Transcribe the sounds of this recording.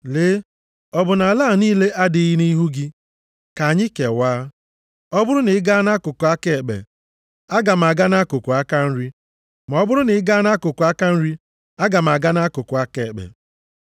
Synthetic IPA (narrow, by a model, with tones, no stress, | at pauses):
le˦ | ɔ˦bʊ˨na˨laː˦˨niː˦le˦ʔa˦dɪ˨˦ɣi˦ni˦ɦu˦ɡɪ˦ | ka˨ɲɪ˦ke˨waː˦ | ɔ˦bʊ˦ɾʊ˦nɪ˨ɪ˦ɡa˦na˦kʊ˨kʊ˨a˦ke˨k͡pḛ˨ | a˦ɡa˨m̩˨a˨ɡa˦na˦kʊ˨kʊ˨a˦ka˦n̩˦ɾi˦ | ma˨ɔ˦bʊ˦ɾʊ˦nɪ˨ɪ˦ɡa˦na˦kʊ˨kʊ˨a˦ka˦n̩˦ɾi˦ | a˦ɡa˨m˨a˨ɡa˦na˦kʊ˨kʊ˨a˦ke˨k͡pḛ˨